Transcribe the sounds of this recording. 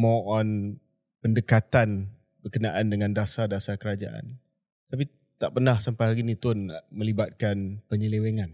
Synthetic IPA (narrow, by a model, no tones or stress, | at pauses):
mɔʔɔn | pəndəkat̪an | bərkənaʔandəŋãndasadasakəɾad͡ʒaʔa̰n | t̪ap̬i | t̪aʔpənahsampajɦaɾinĩt̪ʊnmə̃libat̪̚kanpəɲəleweŋan